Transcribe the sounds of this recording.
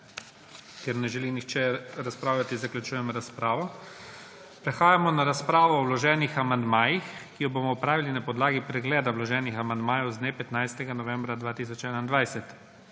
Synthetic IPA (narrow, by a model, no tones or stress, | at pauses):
k̪jɛɾnɛʒɛlinixt͡ʃɛɾaspɾaːwlʲjat̪izaklʲut͡ʃuːjɛmɾaspɾaːʋɔ | pɾɛxaːjamɔnaɾaspɾaːʋɔːwlɔʒɛːnixamand̪maːjixkijɔbomɔupɾaːʋilinapɔd̪laːɡipɾɛɡlɛːd̪awlɔʒɛːnixamand̪maːjɔwzd̪neːpɛt̪najst̪ɛɡanɔʋɛmbɾad̪ʋaːt̪is̬ɔt͡ʃɛːnaind̪ʋajsɛt̪